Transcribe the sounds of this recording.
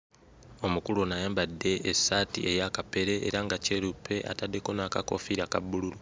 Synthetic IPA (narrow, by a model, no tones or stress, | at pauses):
o̞mukulonajaːmbadːe̞ːsːaːtḭʔe̞jakape̞ɾe̞ḛɾaŋɡaceːɾupʰe̞ʔa̰tadːe̞ko̞nakako̞̰fiɾakabululu